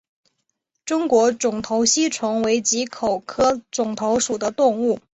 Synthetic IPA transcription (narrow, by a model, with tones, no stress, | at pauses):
ʈ͡ʂʊ˥ŋkwɔ˧˥ʈ͡ʂʊ˨˩ŋt̪ʰo˧˥ʊɕi˥ʈ͡ʂʰʊ˧˥ŋwe˧˥ɪt͡ɕi˧˥kʰo˨˩ʊkʰɤ˥ʈ͡ʂʊ˨˩ŋt̪ʰo˧˥ʊʂu˨˩d̪ə˦t̪ʊ˥˧ŋu˥˩